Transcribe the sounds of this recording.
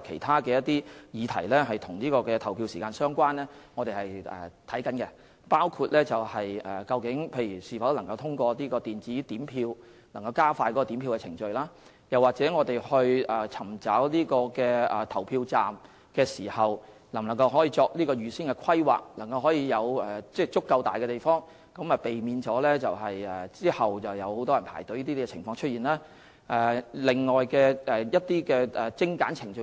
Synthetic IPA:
kʰe˨˩jt̪ʰaː˥kɛː˧jɐ˥t̪ːiː˥jiː˨˧t̪ʰɐ̰˨˩jlɛː˥ɦɐ˨jt̪ʰʊ˨˩ŋniː˥kɔː˧kɛː˧t̪ʰɐ˨˩wpʰiː˧wsiː˨kaː˧nsœː˥ŋkʷaː˥nlɛ˥ŋɔː˨˧t̪e˨jhɐ˨jɛ̰˨t̪ʰɐ˨˥jkɐ˨˥nkɛ˧ | paː˥wkʰuː˧t̚lɛː˥t͡sɐ˨˩whɐ˨jɛː˨kɐ˧wkɪ˨˥ŋpʰe˧jyː˨˩siː˨˩fɐ˨˥wlɐ˨˩ŋkɐ˧wt̪ʰʊ˥ŋkʷɔː˧niː˥kɔː˧t̪iː˨nt͡siː˨˥t̪iː˨˥mpʰiː˧w | lɐ˨˩ŋkɐ˧wkaː˥faː˧jkɔ˨˥kɔ˧t̪iː˨˥mpʰiː˧wkɛ˧t͡sʰɪ˨˩ŋt͡ʃɵ˨˧ɥlaː˥ | jɐ˨wːaː˨k̚t͡sɛː˨˥ŋɔː˨˧t̪e˨jhɵ˧ɥʔɛː˨˩t͡sʰɐ˨˩mt͡saː˨˥wliː˥kɔː˧kɛː˧ɛː˨˩t̪ʰɐ˨˩wpʰiː˧wt͡saː˨m | kɛː˧siː˨˩hɐ˨˩w | lɐ˨˩ŋlŋkɐ˧wɦɔː˨˥jiː˧t͡sɔː˧k̚liː˥kɔː˧jyː˨siː˥nŋkɛ˧kʷʰɐ˥jwa̰ː˨k̚lɐ˨˩ŋkɐ˧wɦɔː˨˥jiː˧jɐ˨˧wɛ˨t͡sɛː˥˧t͡sʊ˥kːɐ˧wt̪aː˨jkɛ˧t̪e˨jfɔː˥ŋ | kɐ˨˧˥mɐ˨˩pe˨jmiː˨˧nt͡sɔː˨˥lɛː˥t͡sɐ˨wɦɐ˨jɛ˨˩t͡siː˥hɐ˨wt͡sɐ˨wjɐ˨˧who˨˥wt̪ɔ˥jɐ˨˩npʰa̰ː˨˩jt̪o˨˧˥jiː˥t̪i˥kɛ˧˨ɪ˨˩ŋfɔː˧ŋt͡ʃʰɵ˥t̚iː˨˩nlɛː˥ | ʔɛ˨˩lɪ˨ŋːɔː˨jkɛː˧ʔɛ˨jɐ˥t̚t̪iː˥kɛː˧ʔɛ˨˩t͡sɪ˥ŋkaː˨˥nt͡sʰɪ˨˩ŋt͡ʃɵ˧

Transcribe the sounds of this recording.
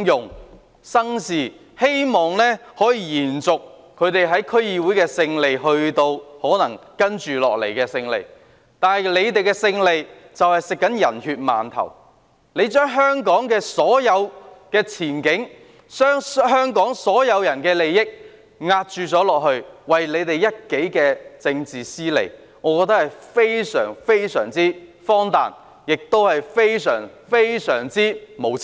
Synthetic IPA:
jʊ˨ŋ | sɐ˥ŋsiː˨ | he˥jmɔː˨˩ŋlɛː˥hɔː˨˥jiː˧jiː˨˩nt͡sʊ˨kʰː | ɵ˨˧t̪e˨jɦɐ˨˥jkʰɵ˥ɥjiː˧wuː˨˥jkɛː˧sɪ˧ŋle˨jɦɵ˧ɥt̪o˧whɔː˨˥nɐ˨˩ŋkɐ˥nt͡ʃyː˨lɔ̰ː˨k̚le˨˩jkɛː˧sɪ˧ŋlḛ˨j | t̪aː˨˧nhɐ˨˩jle˨˧jt̪̬e˨jkɛː˧sɪ˧ŋle˨˩j | t͡sɐ˨whɐ˨jsɪ˨kːɐ˨˥njɐ˨˩nhyː˧t̚ma̰ː˨nt̪ʰɐ̰˨˩w | le˨˧jt͡ʃœː˥ŋɦœː˥ŋkɔː˨˥ŋkɛː˧sɔː˨˥jɐ˨˧wkɛː˧t͡sʰiː˨˩nkɪ˨˥ŋ | sœː˥ŋɦœː˥ŋkɔː˨˥ŋsɔː˨˥jɐ˨˧wjɐ˨˩nkɛː˧le˨jːɪ˥k̚ | ŋaː˧t̚t͡ʃyː˨˧t͡sɔː˨˥lɔː˨k̚hɵ˧ɥwɐ˨jle˨˧jt̪e˨jjɐ˥t̚ke˨˥jkɛː˧t͡sɪ˧ŋt͡siː˨siː˥lḛ˨˩j | ŋɔː˨˧kɔː˧t̪ɐ˥k̚hɐ˨˩jfe˥jsœ̰ː˨˩ŋfe˥jsœ̰ː˨˩ŋt͡siː˥fɔː˥ŋt̪a̰ː˨n | jɪ˨k̚t̪o˥whɐ˨jfe˥jsœ̰ː˨˩ŋfe˥jsœ̰ː˨˩ŋt͡siː˥mo˨˧wʰ

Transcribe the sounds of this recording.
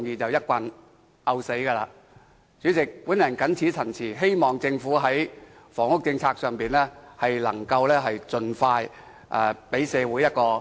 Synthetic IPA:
ŋjiː˨˧t͡sɐ˨wjɐ˥t̚kʷɐ˧n | ʔɐ˧wse˨˥jkɐː˧la̰ː˧ | t͡syː˨˥t͡sɪ˨k̚pu˨˥njɐ˨˩nkɐ˨˥nt͡sʰiː˨˥t͡sʰɐ˨˩nt͡sʰiː˨˩ɦe˥jmɔː˨˩ŋt͡sɪ˧ŋfuː˨˥ɦɐ˨˥j | fɔː˨˩ŋʊ˥k̚t͡sɪ˧ŋt͡sʰaː˧k̚sœː˨˧ŋpiː˨˩nlɛː˥hɐ˨jlɐ̰˨˩ŋkɐ˧wlɛː˥ɦɐ˨jt͡sɵ˨nfaː˧j | ʔɛː˨˧pe˨˥jsɛː˨˧wuː˨˥jɐ˥t̚kɔː˧

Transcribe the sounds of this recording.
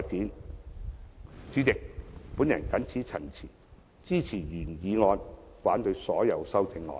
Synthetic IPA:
a˧t̚kiː˨˥n | t͡syː˨˥t̪ɪ˨k̚puː˨˥njɐ˨˩nkɐ˨˥nt͡sʰiː˨˥t͡sʰɐ˨˩nt͡sʰiː˨˩ | t͡siː˥t͡sʰiː˨˩jyː˨˩njiː˨˧ŋɔː˧nfaː˨˥nt̪ɵ˧ɥsɔː˨˥jɐ˨˧wsɐ˥wt͡sɪ˧ŋlɔ̰ː˨˧

